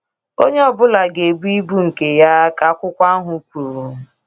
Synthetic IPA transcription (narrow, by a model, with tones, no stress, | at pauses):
o˦ɲe˦ɔ˨bʊ˦la˨ɡe˨bu˦i˦bu˦ŋ̩˨ke˨ja˦ka˨˦kʷʊ˦kʷa˦ɦʊ˨˦kʷu˨ɾu˨